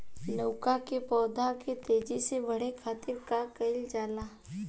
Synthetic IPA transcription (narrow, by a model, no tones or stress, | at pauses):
nəʊkakepɔːd̪ʱaket̪eːd͡ʒisebəɽ̤ekʰaːt̪ɪɾkakəɪld͡ʒaːlaː